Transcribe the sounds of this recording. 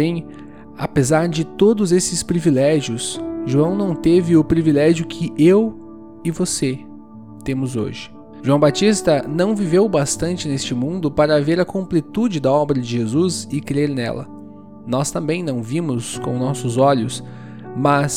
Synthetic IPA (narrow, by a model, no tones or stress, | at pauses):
ẽj̃ | a̰pezaɾd͡ʒɪt̪od̪ʊzesɪspɾivilɛʒijʊsʒuɐ̃w̃nɐ̃w̃t̪evɪʊpɾivilɛʒjʊkʰɪʔew | ɪvose | t̪ẽmʊzo̰ʒɪ̥ | ʒuɐ̃w̃bat͡ʃist̪ɐnɐ̃w̃vivewbast̪ɐ̃nt͡ʃɪnest͡ʃɪmũnd̪ʊpaɾɐveɾɐkõmplit̪ud͡ʒɪd̪ɐɔbɾɐd͡ʒɪʒezuzɪkɾeɾnɛ̰lɐ̰ | nɔst̪ɐ̃mbẽj̃nɐ̃w̃vĩmʊskõnɔsʊzɔʎʊs | mɐs